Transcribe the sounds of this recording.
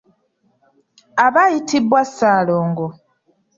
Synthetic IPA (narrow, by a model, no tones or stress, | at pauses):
aβajitibwasːaːloːŋɡo